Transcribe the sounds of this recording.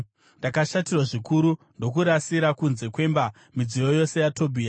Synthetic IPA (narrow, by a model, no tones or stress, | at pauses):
ndakaʃatirwaʐikuɾundo̞k̬uɾasiɾakunze̞kwe̞mba | mid͡zijo̞jo̞se̞jato̞bʱiːa